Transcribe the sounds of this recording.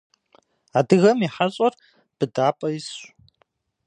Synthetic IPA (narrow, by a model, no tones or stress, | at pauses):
aːdɨɣɐmiħaɕʼɐr | b̥ɨdaːpʼɐjɪsʷ